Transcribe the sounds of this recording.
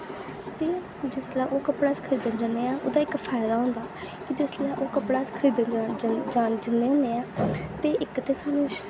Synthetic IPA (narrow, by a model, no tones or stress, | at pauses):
t̪eː | d͡ʒɪslɛ̃ːʔoːkəpɽaːskʰɾiːd̪ənd͡ʒaneːaːʔo̰ːd̪aːɪkpʰaːɪd̪aːɦʊ̃ːnd̪aː | kid͡ʒɪslɛ̃ːʔoːkəpɽaːskʰɾiːd̪əd͡ʒad͡ʒɪnːeːɦõːneːaːt̪eːʔɪkt̪eːsaːnũːʃ